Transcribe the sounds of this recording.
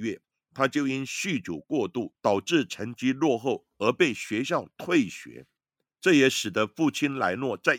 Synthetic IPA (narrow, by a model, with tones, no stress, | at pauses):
ɥɛ˥˩ | t̪ʰa˥t͡ɕjo˥˩ʊi˦˥nɕy˥˩t͡ɕjo˨˩ʊkwɔ˥˧t̪u˥˩t̪ɑ˨˩ʊʈ͡ʂɻ̩˥˩ʈ͡ʂʰə˧˥ŋt͡ɕi˥lwɔ˥˧xo˥˩ʊ | ə˧˥pe˥˩ɪɕɥɛ˧˥ɕjɑ˥˩ʊt̪ʰwe˥˩ɪɕɥɛ̰˧˥ | ʈ͡ʂɤ˥˩jɛ˧˥ʂɻ̩˨˩d̪ə˦fu˥˩t͡ɕʰi˥nla̰˧˥ɪnwɔ˥˨˧t͡sa˥˩ɪ